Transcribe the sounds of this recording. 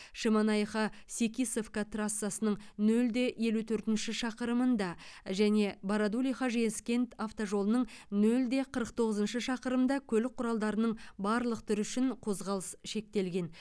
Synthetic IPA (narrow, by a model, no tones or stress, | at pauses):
ʃəmɑnɑjχɑsʲekʲisofkat̪rasːasənəɴnɵld̪e̞je̞lut̪ʰɵɾt̪ɪnʃɪʃɑqəɾəmənd̪ɑʒæne̞bɑɾad̪ulʲijχɑʒenskʲe̞nt̪aft̪oʒo̞lˠənəɴnɵld̪e̞qʰəɾəq̚t̪ʰo̞ʁəzənʃəʃɑqəɾəmd̪ɑkʲʰɵlɪk̚qʰːʊɾɑlˠd̪ɑɾənəɴbɑɾlˠəq̚t̪ʰʏɾʏʃɪɴqʰo̞zʁɑlˠəsʃe̞k̚t̪e̞lɡʲe̞n